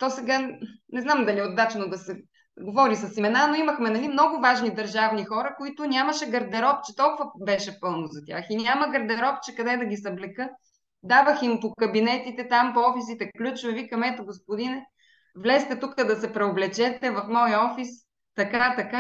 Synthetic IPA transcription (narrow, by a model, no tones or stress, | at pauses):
t̪ɔsɛɡanɛznamd̪ɐliɛod̪at͡ʃnod̪ɐsɛ | ɡovɔɾisɐsimɛnanoimɐxmɛnɐlimnɔɡʊvaʒnid̪ɐɾʒavnixɔɾəkoit̪ʊnʲamɐʃɛɡɐɾd̪ɛɾɔp̚t͡ʃɛt̪ɔlˠkʊvɐbɛʃɛpɤlˠnozɐt̪ʲja̰xinʲaməɡɐɾd̪ɛɾɔp̚t͡ʃɛkɐd̪ɛd̪ɐɡʲisɐblɛkɤ | d̪avəximpokɐbinɛt̪it̪ɛt̪ampoɔfis̬it̪ɛklʲut͡ʃvɐvikɐmɛt̪ɛɡospʊd̪inɛ | vlɛst̪ɛt̪ukəd̪ɐsɛpɾɛoblɛt͡ʃɛt̪ɛvɐfmɔjəɔfis | t̪ɐkat̪ɐka